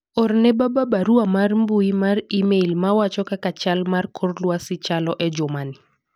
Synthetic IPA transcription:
ɔrnɛbababaɾuamarmbuimarimelmawat͡ʃɔkakat͡ʃalmarkʰorlwasɪt͡ʃalɔʔɛd͡ʒomani

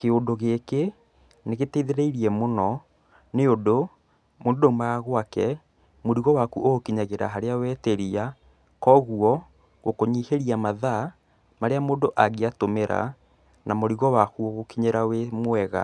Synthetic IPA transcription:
keondoɣeke | neɣeteiðeɾeiɾiɛmonɔ | neodo | moːndodomaɣwakɛ | moɾiɣɔwakuʔoɣokiɲaɣeɾa̰ɦaɾeawɛːteɾia | kɔɣuɔ | ɣokoɲiːheɾiamaða | maɾeamoːndoʔaɣeatomeɾa̰ | namoɾiɣɔwakuoɣokiɲeɾawemwɛɣa̰

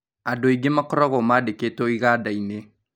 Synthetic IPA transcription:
adoiɡemakɔɾɔɣɔmadekeːtɔiɣadaine

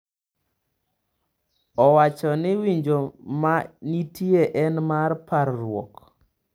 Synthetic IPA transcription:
ɔwat͡ʃɔnɪwiɲd͡ʒomanitʰieʔɛnmarpaɾːwɔ̰k

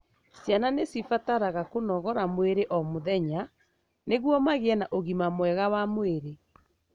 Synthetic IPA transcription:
sjananesifataɾaɣakonɔɣɔɾamweɾeʔɔmoðɛɲa | neɣwɔmaɣeɛnaʔoɣimamwɛɣawamweɾe

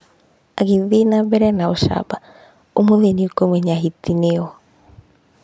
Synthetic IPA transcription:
aɡiðinabɛɾɛnaoʃa̰ba | omoðeniokomweɲaɦit̪ineo

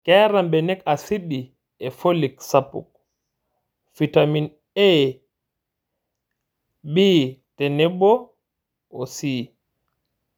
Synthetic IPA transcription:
kɛːɾambɛnɛkasiɗi | ɛfoliksapṵk̚ | fitamin | ɛ | biːtɛnɛbɔ | ɔsiː

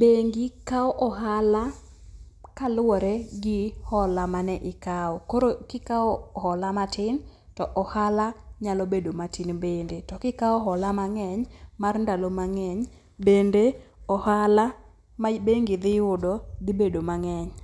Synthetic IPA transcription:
beŋɡɪkaɔʔɔɦala | kalʊɔɾeɡɪhɔlamanɛʔɪkaɔkoɾokɪkaɔhɔlamatɪn | tɔʔɔhalaɲalobedomatɪnbendetɔkɪkaɔɦɔlamaŋɛɲmarndalomaŋɛɲ | bendeɔhala | mabeŋɡɪd̪ɪjʊdɔd̪ɪbedomaŋɛɲ

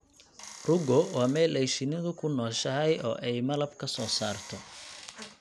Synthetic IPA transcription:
rʊɡɔwaːmɛːlʔɛjʃɪnɪðʊkʰʊnɔːʃɐɦɛjɔ̰ːʔɛjmɐlɐbkʰɐsɔːsaːrt̪ʰɔ

